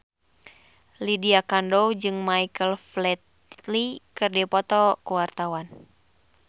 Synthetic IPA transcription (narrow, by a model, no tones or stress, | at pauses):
lidiakandɔwd͡ʒɨŋmaikəlflɛt̪ | likɨrdɛpɔt̪ɔkuwart̪awan